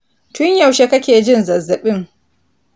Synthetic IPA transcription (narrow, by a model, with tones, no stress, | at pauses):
tʊ˦ɲjɐ˨wʃe˦kɐ˦kʲeː˨d͡ʒɪ˦nzɐ˨zɐ˨ɓɪ˦ŋ